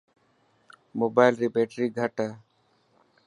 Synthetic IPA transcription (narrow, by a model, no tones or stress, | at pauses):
moːbaːjlɾipeːʈɾiːɡʱəʈə